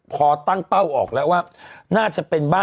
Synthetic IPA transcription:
pʰɔː˧t̪a˥˩ŋt̪a˥˩wʔɔː˨˩k̚lɛ˦˥ʔwaː˥˩naː˥˩t͡ɕa˨˩ʔpe˧nbaː˥˩

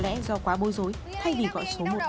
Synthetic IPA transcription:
lɛ̰˧˥zɔ˧kwaː˨˦ɓo˨˦jzo˨˦j | t̪ʰa˧jvi˨˩ɣɔ̰˧˨jso˨˦mo˨˩t̚

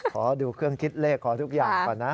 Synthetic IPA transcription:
kʰɔː˩˦duː˧kʰɯ˥˩əŋkʰi˦˥t̪̚leː˥˩kkʰːɔː˩˦t̪ʰu˦˥k̚jaː˨˩ŋa˧˩na˦˥

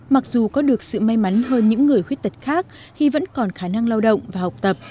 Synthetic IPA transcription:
ma˨˩k̚zu˨˩kɔ˨˦ɗɨ˨˩ək̚sɨ̰˧˨ma˧jma˨˦nɦəː˧nɲɨ̰˧˥ŋːɨ˨˩əjxwi˦˥ət̚t̪ə˨˩t̚xaː˦˥k̚ | xi˧və̰˧˥nkɔ˨˩nxaː˧˩na˧ŋla˧wɗə̰˧˨wŋ͡mvaː˨˩ha˨˩wk͡p̚t̪ə˨˩p̚

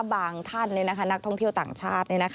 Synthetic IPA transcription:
baː˧ŋt̪ʰa˥˩nːi˥˩na˧˦kʰa˧˥˩na˦˥k̚t̪ʰɔ˥˩ŋt̪ʰi˥˩wt̪a̰ː˨˩ŋt͡ɕʰaː˥˩t̪̚ni˥˩˨na˦˥kʰ

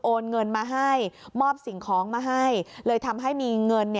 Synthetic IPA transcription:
ʔoː˧nŋɤ˧nmaː˧ɦa˥˩jmɔː˥˩p̚si˨˩˦ŋkʰɔː˩˦ŋmaː˧ɦa˥˩jlɤː˧jt̪ʰa˧mɦa˥˩jmiː˧ŋɤ˧nːi˥˩

